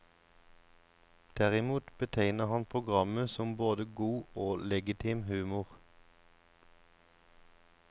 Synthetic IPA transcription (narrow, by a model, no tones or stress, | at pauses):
d̪̥æʁɪmuːt̪bət̪ʰæɪnəhɑnpʰʁʊɡʁɑməsɔmboːd̪əɡuːoːlɛɡɪt̪ʰɪmhʉːmʊʁ